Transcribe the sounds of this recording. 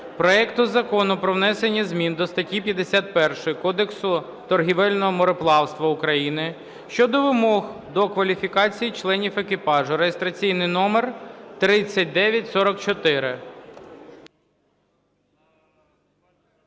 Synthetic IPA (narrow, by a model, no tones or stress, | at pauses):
pɾɔɛkt̪ʊzɐkɔnʊpɾɔwnɛsenʲːɐzʲmʲind̪ɔst̪ɐtʲipʲjɐd̪esʲat̪̚pɛrʃɔjkɔd̪eksʊ | t̪ɔrɦʲiʋɛlʲnɔɦɔmɔɾɔplˠɑwst̪ʋɐʊkɾɐjinɪ | ʃt͡ʃɔd̪ɔʋɪmɔɦd̪ɔkʋɐlʲifʲikɑt͡sʲijit͡ʃlˠɛnʲifekɪpɑʒʊɾejest̪ɾɐt͡sʲijnɪjnɔmert̪ɾɪt͡sʲːɐt̚ʲd̪ɛʋʲjɐtʲsɔɾɔkt͡ʃɔt̪ɪɾɪ